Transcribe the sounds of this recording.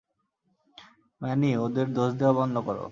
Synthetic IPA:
mɛniod̪eɾd̪oʃd̪eabɔnlokɔɾo̰

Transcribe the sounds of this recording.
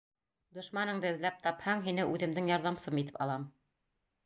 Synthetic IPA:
d̪ŏʃmɑnɤŋd̪ɘɵ̆ðlæp̚t̪ɑphɑŋɦinɘʔʉðɘ̆md̪ɘŋjɑɾðɑmsɤmit̪ɘ̥pɑ̰lˠɑm

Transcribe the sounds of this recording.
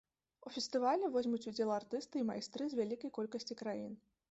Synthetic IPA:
ufʲɛst̪ɨvalʲɛvɔzʲmʲut͡sʲud͡zʲɛlˠart̪ɨst̪ɨima̰jst̪ɾɨzʲvʲalʲikɐjkɔlʲkɐsʲt͡sʲikɾajin

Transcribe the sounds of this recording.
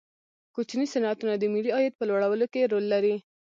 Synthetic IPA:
kut͡ʃnisɪnat̪unad̪əmiɽiɑjət̪̚pəlwaɽawəlokeɾolːaɾi

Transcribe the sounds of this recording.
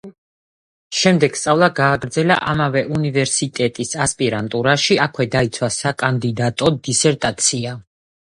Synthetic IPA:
ʃɛmd̪ɛɡ̥st̪sʼavlˠaɡaːɡɾd̪zɛla̰ʔamavɛʔunivɛɾsit̪ʼɛt̪ʼisaspʼiɾant̪ʼuɾaʃiakʰwɛd̪ait̪sʰwasakʼand̪id̪at̪ʼɔd̪isɛɾt̪ʼat̪sʰia

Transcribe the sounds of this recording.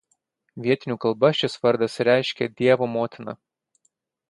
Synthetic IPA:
ʋʲiɛt̪ʲɪnʲuːkɐlˠbɐʃʲɪsʋɐɾd̪ɐsɾʲæɪʃʲkʲɛd̪ʲiɛʋoːmoːt̪ʲɪnɐ̰

